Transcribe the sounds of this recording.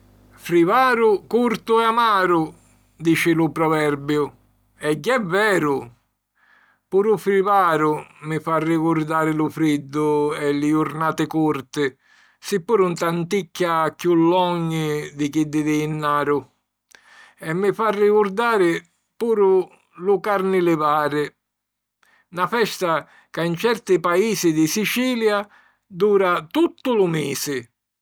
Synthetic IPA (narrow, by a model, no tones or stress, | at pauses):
fɾivaːɾʊkuɾt̪ʊɛamaːɾʊ | d̪iːt͡ʃɪlʊpɾɔvɛrbjʊ | ɛɟːɛvːɛːɾʊ | puːɾufɾivaːɾʊmɪfarːikuɾd̪aːɾɪlʊfɾid̪ːʊɛlːɪʊɾnaːt̪ɪkurt̪ɪ | sɪpːuːɾunt̪ant̪ikːakjulːɔɲːɪd̪ɪkid̪ːɪd̪ɪnːaːɾʊ | ɛmːɪfarːɪkʊɾd̪aːɾɪ | puːɾʊ | lʊkaɾnɪlɪvaːɾɪ | nafɛst̪a | kaint͡ʃɛrt̪ɪpaiːsɪd̪ɪsit͡ʃiːlja | d̪uːɾat̪ut̪ːʊlʊmiːsɪ